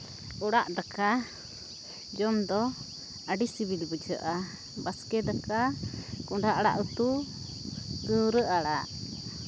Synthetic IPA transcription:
ɔɽaʔd̪aka | d͡ʒɔmd̪ɔ | aɖisibilbəd͡ʒəʔa | baskɛd̪akakuɳɖaʔaɽa̰ʔut̪u | t̪uɾəʔaɽaʔ

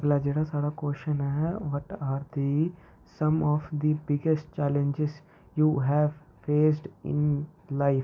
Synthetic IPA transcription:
ɡlaːd͡ʒeːɽaːsaːɽaːkoːʃənɛɦɛʋəʈaːɾd̪i | sə̃mɔːfd̪ibɪɡesʈ̚t͡ʃɛːlə̃nd͡ʒɪz | juːɦɛːʋ | feːs̬ɖɪ̰̃nlaɪf

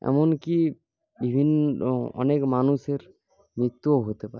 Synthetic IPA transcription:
ɛ̰mɔnki | bibʱinːɔ̰nekmanuseɾ | mɹit̪ːuoɦot̪epa̰ɾe

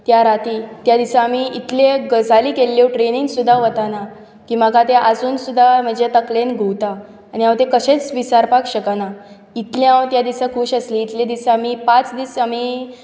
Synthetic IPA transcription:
t̪jaɾat̪iːt̪jad̪isaːmiit̪leɡəd͡zaliːkelːewʈɾeniŋɡsud̪ʱːaʋət̪ana | kiːm̤əkat̪eʔad͡zuːnsud̪ʱːam̤əd͡ʑet̪əklenɡʱuwt̪a | añiɦãwt̪ekəɕet͡sʋisaɾpakɕəkana | it̪leɦãwt̪jad̪isakʰuːɕəsliːt̪led̪isaamipat͡sd̪isami

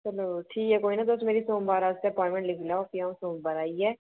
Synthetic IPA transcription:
mɐəbʈʰiːkɛkoːinɐd̪osmeːɾisõːmbaːɾaʊst̪eɐpɔːɪ̃ɳʈmɛ̃ɳʈlɪkʰlaːokiãsõːmbaːɾaːiɦɛː

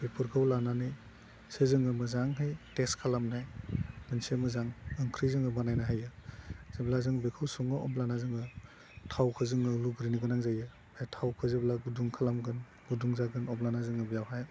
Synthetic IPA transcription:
bipʰɯɾɡʰawlanani | sezɯŋɯmɯzaŋɦɯjteskʰalamnajɡ̥ɯnsemɯzaŋɯŋkʰɾizɯŋɯbanajnaɦajɯz̥eblazɯŋbikʰɯwsuŋɯɔ̰blanazɯŋɯ | tʰawkʰɯzɯŋɯluɡɾiniɡɯnaŋzajɯ | ajtʰawkʰɯzeblaɡuduŋkʰalamɡɯn | ɡuduŋzaɡɯnɔmlanazɯŋɯbijawɦaj

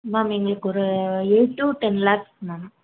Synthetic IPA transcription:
maːmɛŋɡɐɭɯkːɔɾɯɛɻʈːuʈɛnlaːksnana

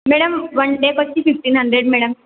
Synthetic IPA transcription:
meːɽɐmʋɐnɖekɔt͡ɕːififʈiːnɦɐɳɖɾeɖmeːɽɐm

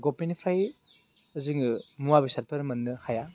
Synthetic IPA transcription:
ɡɔpenipʰɾaj | ɐziŋɯmuwabisat̚pɐɾmɐnːɯhaja

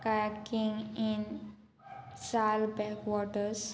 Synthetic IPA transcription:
kakĩŋĩn | salbɛkʋɔʈəɾs

